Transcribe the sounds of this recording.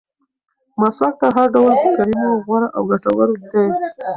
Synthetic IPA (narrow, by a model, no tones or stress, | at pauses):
maslak̚t̪aɦaɾɖawlpəkaɾimoɣwaɾaʔawɡaʈawəɾod̪e